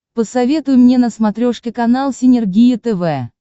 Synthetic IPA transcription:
pəsɐvʲe̞t̪ʊjʊmnʲenəsmɐt̪ɾʲoʂkʲɪkɐnalˠsʲɪnʲɪrɡʲijɪt̪ɛvɛ

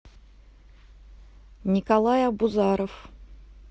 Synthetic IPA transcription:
nʲikalˠajabuzɑɾof

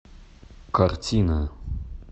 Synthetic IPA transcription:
kartʰʲina

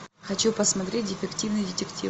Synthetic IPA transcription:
xɐt͡ɕupəsmɐt̪ɾʲet̚ʲdʲɪfʲɪktʲivnɨjdʲɪtʲɪktʲḭ

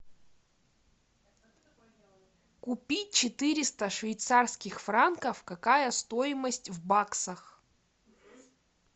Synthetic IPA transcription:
kʊpʲit̚ʲt͡ɕɪt̪ɨɾʲɪst̪əʂvʲɪjt̪sarskʲɪxfrankəfkɐkajəst̪ojɪməsʲtʲvbaksəx

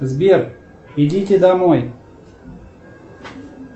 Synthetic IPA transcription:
zbʲer | ɪdʲitʲɪd̪ɐmoj

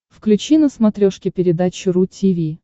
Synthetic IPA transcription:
fklʲʉt͡ɕinəsmɐt̪ɾʲoʂkʲɪpʲɪɾʲɪd̪at͡ɕɪɾutʲivʲi

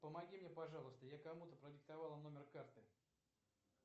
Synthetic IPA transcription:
pəmɐɡʲimnʲepɐʐɑlˠəst̪əjakɐmut̪əpɾədʲɪk̚t̪ɐvɑlˠəno̞mʲɪrkart̪ɨ

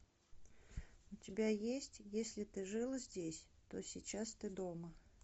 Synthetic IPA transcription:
ʊtʲɪbʲajesʲtʲjesʲlʲɪt̪ɨʐɨlˠəzʲdʲesʲt̪osʲit͡ɕast̪ɨd̪omə

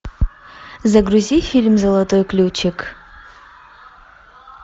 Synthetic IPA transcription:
zɐɡruzʲifilʲmzɐlˠɐtʼojkʼlʲuwt͡ʃʰɪkʰʼ

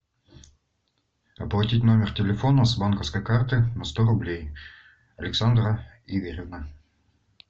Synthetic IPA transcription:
ɐplˠɐtʲitʲno̞mʲɪrtʲɪlʲɪfo̞nəzbankəfskəjkart̪ɨnɐst̪oɾʊblʲej | ɐlʲɪksand̪ɾə | ivʲeɾʲɪvnə

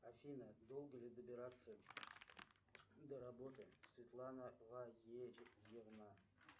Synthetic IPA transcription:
afinadolˠɡɐlʲidabʲeɾat͡sʰɨ | daɾabo̞tʰasvʲet̪ʰʼlˠanaʁʷajed͡ʒʼjɪʁna

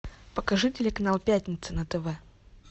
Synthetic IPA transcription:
pəkɐʐɨtʲɪlʲɪkɐnalˠpʲætʲnʲɪt̪sɨnət̪ɛvɛ

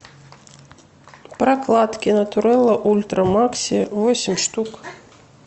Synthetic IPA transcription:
pɾɐklˠat̪kʲinɐt̪uɾɛlˠɐʔulʲt̪ɾɐmaksʲivɔsʲimʲʂt̪uk

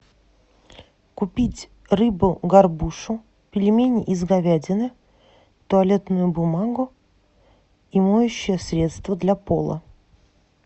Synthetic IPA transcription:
kʊpʲitʲ | rɨbʊɡɐrbuʂʊ | pʲɪlʲɪmʲenʲʔɪzɡɐvʲædʲɪnɨ | t̪ʊɐlʲe̞t̪nʊjʊbʊmaɡʊ | imojʊɕːɪjəsɾʲe̞t̪st̪vəd̪lʲapo̰lˠə̰

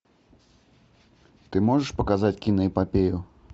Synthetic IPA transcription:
t̪ɨmɔʐɛʂpɐkazat͡sʲkʲinɐipapʲeju

